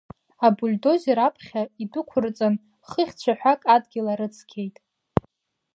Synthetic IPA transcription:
abulʲdo̞zeɾapʰχʲaidʊkʷʰʊrt͡sʼan | χəχʲt͡ɕʷʰaħʷᶣakʼadɡʲɪlaɾɨt͡sʰkʲʰe̞jtʼ

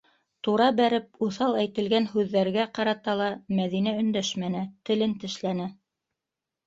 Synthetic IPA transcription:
t̪uɾɑbæɾɘp̚uθɑlˠæjt̪ɘ̆lɡænhʉðːæɾɡæqɑɾɑt̪ɑlˠɑmæðinæɵ̆nd̪æʃmænɘt̪ɘ̆lɘnt̪ɘ̆ʃlænɘ

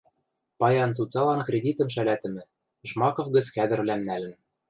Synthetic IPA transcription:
pɑjɑnt͡sut͡sɑlɑnkrʲed̪ʲit̪ɤ̆mʃælæt̪ɘ̆mɘ̆ | ʒmɑkŏfɡɘ̆t͡skæd̪ɘ̆rlæmnælɘ̆n

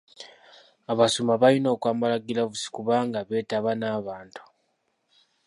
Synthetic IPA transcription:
aβasumaβalino̞ːkwaːmbalaɡilaβusi̥kuβaːŋɡaβe̞ːtaβanaːβaːntu̥

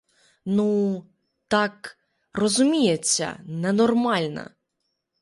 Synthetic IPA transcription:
nu | t̪ɑk | rɔzʊmʲijet͡sʲːɐ̰nɛnɔrmɑlʲnɐ̰

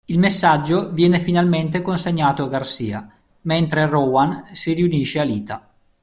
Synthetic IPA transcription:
ilmesːad͡ʒːovjɛːnefinalment̪ekonseɲːaːt̪oaɡarsḭːa̰ | ment̪ɾerɔwansiriuniʃealiːt̪a

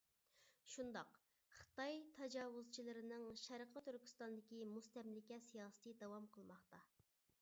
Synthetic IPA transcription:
ʃund̪ɑq | χə̥t̪ɑjt̪ʰɑd͡ʒɑːwuzt͡ʃʰilˠɨɾɪnɨŋʃæɾqʰət̪ʰyɾkʲy̥st̪ɑnd̪ɪkʲimust̪ɛmlɪkʲɛsijɑːsə̥t̪ɨd̪ɑwɑmqʰəlˠmɑχt̪ɑ

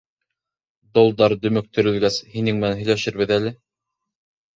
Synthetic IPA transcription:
d̪olˠd̪ɑɾd̪ɵ̆mɘk̚t̪ʰɵ̆ɾɘ̆lɡæshinɘŋmɘ̆nænɦɵ̆jlæʃɘ̆ɾβɘðælɘ

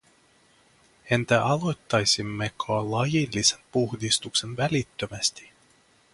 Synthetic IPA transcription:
e̞nt̪æʔɑlo̞jt̪ːɑjsimːekʰoɑlɑjilːisempuhdist̪ukse̞nʋælit̪ːømæst̪i̥

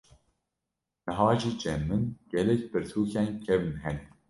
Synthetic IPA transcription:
nɨɦɑːʒiːd͡ʒɛmːɨnɡ̥ɛlɛkpɨɾt̪ʰuːkʰɛːnkʰɛvɨnɦɛn

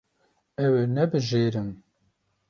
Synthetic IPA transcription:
ɛwenɛbɨʒeːɾɨm

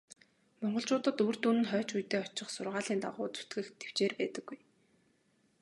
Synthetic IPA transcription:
mɔɴɢɞ̆ɮt͡ɕʊːt̪ə̆t̪ur̥t̪unɘ̆nχœːt͡ɕujt̪eːɔt͡ɕɪ̆χsʊrʁaːɮiːnt̪a̰ʁʊ̰ːt͡su̥t̪ɡɘ̆xt̪ʰe̥w̥t͡ɕeːrpæːt̪ə̆ɡ̥ːuj

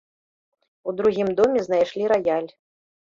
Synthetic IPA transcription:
ud̪ɾuɣʲimd̪ɔmʲɛznajʂlʲiɾajalʲ

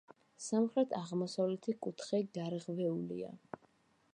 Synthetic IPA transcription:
samχɾɛt̪ʰaʁmɔsavlɛt̪ʰikʼut̪ʰχɛɡaɾʁvɛulḭa̰

